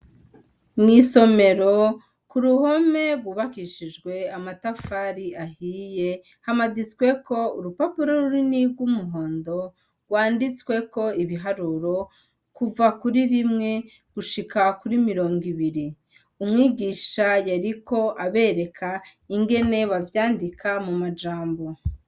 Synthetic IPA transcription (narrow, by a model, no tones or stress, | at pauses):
nŋiso̞me̞ɾo̞ | kuɾuho̞me̞ɡɡwuːβakiʃid͡ʒɡwe̞amatafaːɾiahiːje̞ | hamaɡit͡swe̞kʰo̞uɾupapuɾo̞ɾuɾinibɡwumuɦo̞ːndo̞ | ɡ̥waːndit͡swe̞ko̞iβiɦaɾuɾo̞ | kuvakuɾiɾimŋe̞ | ɡ̥uʃikʰakuɾimiɾo̞ːŋɡiβiɾi | umŋiːɡiːʃajaɾiko̞ʔaβe̞ːɾe̞kʰaiŋɡe̞ne̞βavjaːndikʰamumad͡ʒaːmbo̞